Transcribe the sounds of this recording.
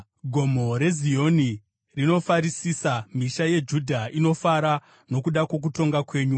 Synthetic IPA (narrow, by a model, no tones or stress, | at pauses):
ɡʱo̞mo̞ɾe̞zio̞ni | rino̞faɾisisam̤iʃaje̞d͡ʒudʱaʔino̞faɾa | no̞kuɗako̞k̬uto̞ŋɡakwe̞ːɲu